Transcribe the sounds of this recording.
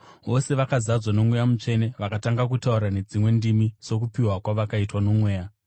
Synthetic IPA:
ʋo̞se̞ʋakazad͡zwano̞mwejamut͡ʃe̞ne̞ʋakataŋɡak̬utauɾane̞d͡zimwe̞ndimiso̞kupiwakwaʋakaitwano̞mwe̞ːja

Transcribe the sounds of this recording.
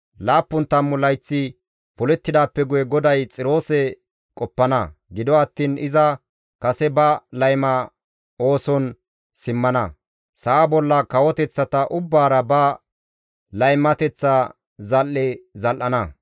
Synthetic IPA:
laːpːʊnt̪ːɐmːʊlɐjt͡sːɪ | pʊlɛt̪ːɪd̪aːpːɛɡʊjɛɡɔd̪ɐjt͡sʼɪɾo̞ːsɛ | kʼɔpːɐnɐ̰ɡɪd̪ɔɐt̪ːiːnɪzɐ | kɐsɛbɐlɐjmɐ | o̞ːsɔn | sɪmːɐnɐ | sɐːbɔlːɐkɐwɔt̪ɛt͡sːɐt̪ɐʔʊbːaːɾɐbɐ | lɐjmːɐt̪ɛt͡sːɐ | zɐlːɛzɐlʔːɐnɐ

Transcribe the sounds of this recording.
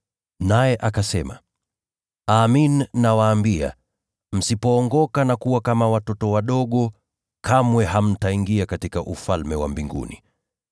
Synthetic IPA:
najɛʔakasɛma̰ | aːminːawaːmbia̰ | m̩sipɔːŋɡɔkanakuwakamawatɔtɔwaɗɔɠɔ | kʰamwɛɦam̩taiŋɡiakatikaʔufalmɛwa̰mbiŋɡṵnḭ

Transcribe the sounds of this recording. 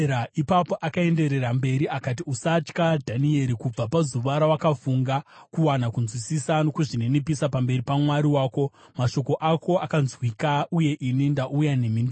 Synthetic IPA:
aipapo̞ʔakae̞nde̞ɾe̞ɾambe̞ɾiakatiusat͡ʃkadʱanie̞ɾikub͡vapazuʋaɾawakafuŋɡakuwanakunzwisisano̞kuʐinenipisapambe̞ɾipamwaɾiwaːko̞ | maʃo̞ko̞ʔako̞akanzwikauje̞ʔinindaʔujane̞mindo

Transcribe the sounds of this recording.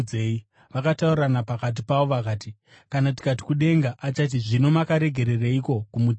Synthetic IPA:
ei | ʋakataurranapakat̬ipaʋo̞ʋakaːti | kanat̬i̥kat̬i̥kuɗe̞ŋɡaʔat͡ʃat̬iʐino̞makaɾe̞ɡʱe̞ɾe̞raiko̞kumut

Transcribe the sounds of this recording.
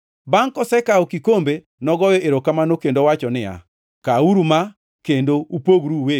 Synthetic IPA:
baŋkɔsɛkaɔkikombe | nɔɡɔjɔʔeɾokamanokendowat͡ʃɔnɪa̰ | kauɾuma | kendoupoɡɾuwe

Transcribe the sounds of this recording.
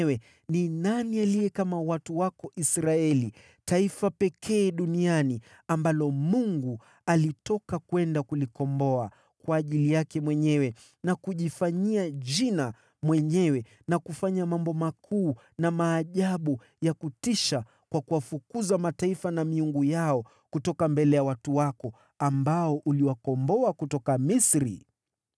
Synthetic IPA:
wɛ | ninanialijɛkamawatuwakɔʔisɾaɛli | taifapɛkʰɛːɗuniani | ambalɔmuŋɡu | alitɔkakwɛndakulikɔmbɔa | kwaːʄilijakɛmwɛɲɛwɛ | nakuʄifaɲiaʄina | mwɛɲɛwɛ | nakufaɲamambɔmakʰuː | namaːʄaɓu | jakutiʃa | kwakuwafukuzamataifanamiuŋɡujaɔ | kutɔkambɛlɛjawatuwakɔ | ambaɔʔuliwakɔmbɔakutɔkamisɾḭ

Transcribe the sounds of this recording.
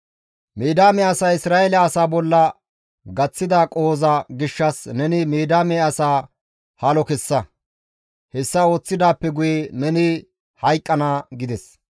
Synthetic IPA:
meːd̪aːmɛɐsaːɪsɾaːelɐːsaːbɔlːɐ | ɡɐt͡sːɪd̪aːkʼoːzɐɡɪʃːɐsnɛnɪmeːd̪aːmeɐsaː | hɐlɔkɛsːɐ | hɛsːɐo̞ːt͡sːɪd̪aːpːɛɡʊjɛnɛnɪ | hɐjkʼːɐnaːɡɪd̪ɛs

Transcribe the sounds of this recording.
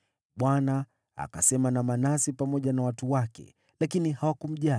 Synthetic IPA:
ɓwana | a̰kasɛmanamanasipamɔʄanawatuwakɛ̰ | lakinihawakum̩ʄa

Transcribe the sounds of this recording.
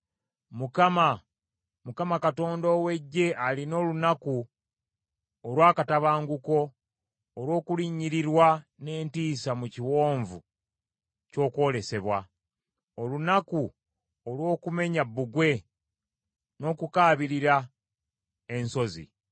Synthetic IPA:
mukama | mukamakato̞ːndoːwe̞ɟːe̞ʔalino̞ːlunaku | olwaːkataβaːŋɡuko̞ː | ɾwo̞ːkuliɲːiɾiɾwane̞ːntiːsamuciwo̞ːɱvu | co̞ːkwo̞ːle̞se̞βwa | olunaku | olwo̞ːkume̞ɲabːuɡwe̞ | no̞ːkukaːβiɾiɾa | e̞nso̞zḭ

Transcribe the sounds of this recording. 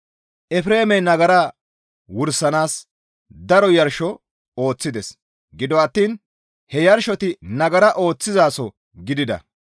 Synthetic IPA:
ʔɛfɾe̞ːmɛnɐɡɐɾa | wʊɾsːɐnaːs | d̪ɐɾɔjɐɾʃɔ | o̞ːt͡sːɪd̪ɛs | ɡɪd̪ɔɐt̪ːiːn | hɛjɐɾʃɔt̪ɪnɐɡɐɾɐʔo̞ːt͡sːɪzaːsɔ | ɡɪd̪ɪd̪ɐ̰

